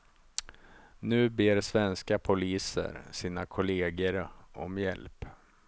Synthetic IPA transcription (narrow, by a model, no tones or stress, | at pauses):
nʉ̟ːbeːɾsvɛnskapʰʊliːsə̰ɾsiːnakʰʊleːɡəɾɔ̰mjɛ̰lp